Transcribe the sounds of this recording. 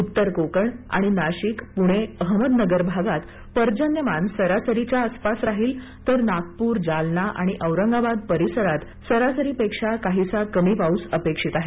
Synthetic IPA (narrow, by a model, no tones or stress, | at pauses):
ut̪ːəɾkokəɳa̰ɽ̃inaɕikpuɽ̃eəɦməd̪nəɡəɾbʱaɡat̪ | pəɾd͡ʑənjəmansəɾasəɾit͡ɕjaəspasɾaɦiːl | t̪əɾnak̚puːɾd͡zalnaʔa̰ɽ̃iʔəʋɾəŋɡabad̪̚pəɾisəɾat̪ | səɾasəɾiːpekʂakaɦisakəmipausəpekʂit̪aɦe